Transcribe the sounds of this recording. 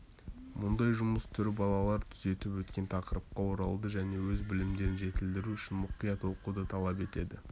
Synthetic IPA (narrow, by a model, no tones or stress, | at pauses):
mʊnd̪ɑjʒʊməst̪ʰʏɾbɑlˠɑlˠɑɾt̪ʰʏze̞t̪ɪpwɵt̪kʲe̞nt̪ʰɑqəɾəp̚qɑwo̞ɾɑlˠd̪əʒæne̞wɵzbɪlɪmd̪e̞ɾɪnʒe̞t̪ɪld̪ɪɾuʏʃɪnmʊqijɑt̪wo̞qud̪ət̪ʰɑlˠɑp̬e̞t̪e̞d̪ɪ